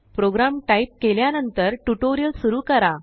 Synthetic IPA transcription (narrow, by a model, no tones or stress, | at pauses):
pɾoɡɾamʈaip̚keljanənt̪əɾʈuʈoɾijəlsuɾuːkəɾa